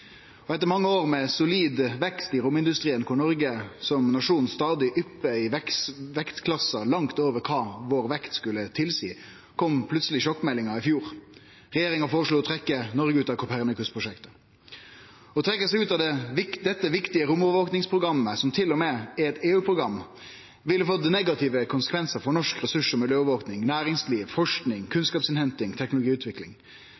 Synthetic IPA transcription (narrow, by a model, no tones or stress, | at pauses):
ɔɛt̪ːəɾmɑŋːəoːʁmɛsʊliːd̪ʋɛkst̪ɪɾʊmɪnd̪ʉst̪ʁiːənkʰʊɳɔɾɡəsɔmnɑʂuːnst̪ɑːd̪ɪʔʏpːəɪʋɛkʋɛkt̪kʰlɑsɑlɑŋt̪oːʋəɾkʰɑːʋoːɾʋɛkt̪skʉlːət̪ʰɪlsḭː | kʰɔmpʰlʉt̪səlɪʃɔkːmɛlːɪŋɑɪfjuːɾ | ʁɛjeːɾɪŋɑfoːɾəʂɭluːɔt̪ʰɾɛkːənɔʁɡəʉːt̪ɑʋkʰɔpʰæʁnəkʉspʰɾʊʂɛkt̪ə̥ | ɔt̪ʰʁɛkːəsɛɪʉːt̪ɑd̪ɛɪd̪ɛt̪ːəʋɪkt̪ɪəɾʊmɔʋəʋoːknɪŋspʰʁʊɡɾɑmːəsɔmt̪ʰɪlːɔmeːɛt̪eːʉːpʰɾʊɡɾɑmː | ʋɪlːəfɔt̪̚nɛɡɑt̪ɪʋəkʰʊnsə̥kʋɛnsəɾfɔɾnɔʂkɾɛsʉʂɔmɪljøːʋʋoːknɪŋnæːɾɪŋsliːʋfɔʂknɪŋkʰʉnskɑːpsɪnhɛnt̪ɪŋt̪ʰɛknlʊɡiːʉːt̪ʰʋɪklɪ̰ŋ